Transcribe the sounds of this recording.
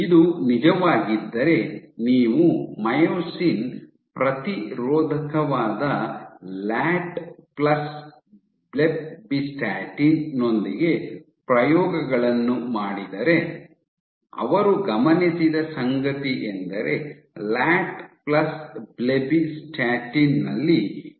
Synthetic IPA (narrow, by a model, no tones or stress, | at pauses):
id̪unid͡ʒɐʋaːɡid̪ːɐɾe̞niːʋumɐjoːsin | pɾɐt̪iɾɔːd̪ʱɐkɐʋaːd̪ɐlaːʈplɐs | blebbisʈaːʈinno̞nd̪iɡe̞ | pɾɐjɔːɡɐɡɐɭɐnːumaːɽid̪ɐɾe̞ | ɐ̰ʋɐɾuɡɐmɐnisid̪ɐsɐŋɡɐt̪iʔend̪ɐɾe̞ | laːʈplɐsblebisʈaːʈinːɐlːi